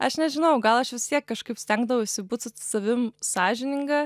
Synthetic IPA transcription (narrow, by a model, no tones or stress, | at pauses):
ɐʃnʲɛʒʲɪnɐʊɡɐlˠɐʃʋʲɪst̪ʲiɛkːɐʃkɐɪpsʲt̪ʲɛŋɡd̪ɐʋɐʊɪʃʲsʲɪbuːt̪sʊt̪ʲsɐʋʲɪmsɑːʒʲɪnʲɪŋɡɐ